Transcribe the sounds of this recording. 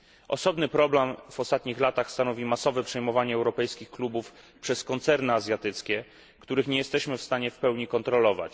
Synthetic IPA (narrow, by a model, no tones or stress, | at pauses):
ʔɔ̰sɔbnɘpɾɔblɛmv̥ɔst̪at̪ɲixlat̪axst̪anɔvʲimasɔvɛpʂɛjmɔvaɲɛːwɾɔpɛjskʲixklubuf | pʂɛskɔnt̪sɛɾnɘazʲjat̪ɘt̪skʲɛ | kt̪uɾɘxɲɛjɛst̪ɛɕmɘfst̪aɲɛfpɛwɲikɔnt̪ɾɔlɔva̰t͡ɕ